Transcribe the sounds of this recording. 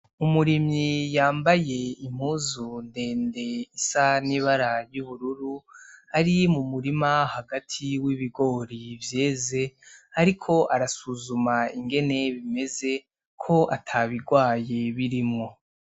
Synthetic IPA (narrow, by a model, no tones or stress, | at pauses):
umuɾimɲijaːmbaje̞im̥huːzunde̞ːnde̞isaniβaɾajuβuɾuɾuaɾimumuɾimahaɡatʰiwiβiɡo̞ːɾivje̞ːze̞aɾikʰo̞ʔaɾasuzumaiŋɡe̞ne̞βime̞ze̞ | kʰo̞ʔatʰaβiɡwaːje̞βiɾimŋo̞